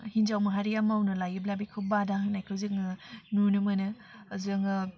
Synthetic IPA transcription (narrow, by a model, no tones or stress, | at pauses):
hind͡ʒawmaɦaɾijamawnɯlajɯblabikʰɯbadaɦɯnajkʰɯwziŋɯnunɯmɯnɯː | zɯŋɯ